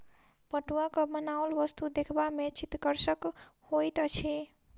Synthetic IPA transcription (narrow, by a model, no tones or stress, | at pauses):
pəʈuakɔmənaolbʌst̪ud̪ekʰbamet͡ʃit̪kəɾsəkhojt̪ət͡ʃʰi